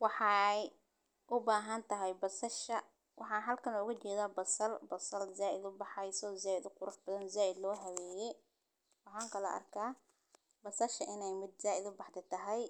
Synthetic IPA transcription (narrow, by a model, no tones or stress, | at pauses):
wɑħɑj | ʔʊbaːɦɐnt̪ʰɐɦɛjbɐsɐʃɐ | wʔɑħɑːnɦɐlkʰɐnɔʊɣɐt͡ʃɛːðaːbɐsɐlbɐsɐlzaːʔɪd̪ʊbɑħɑjsɔːzaːɪd̪ʊqʊɾʊħbɐðɐnzaːʔɪd̪lɔːɦɐwɛːjɛ | wɑħɑːŋkʰɐlɔ̰ʔɐ̰rkʰaː | bɐsɐʃɐʔɪnɛjmɪd̪zaːʔɪd̪ʊbɑħt̪ʰɛt̪ʰɐɦɛj